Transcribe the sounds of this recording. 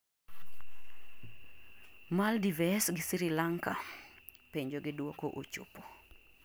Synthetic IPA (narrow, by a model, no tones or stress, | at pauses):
maldivɛsɡɪsiɾilaŋkapeɲd͡ʒoɡɪdwokoʔo̰t͡ʃo̰po